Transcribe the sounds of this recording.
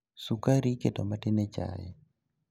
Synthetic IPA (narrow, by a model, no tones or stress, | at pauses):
sukaɾikedomatɪnɛt͡ʃa̰jɛ̰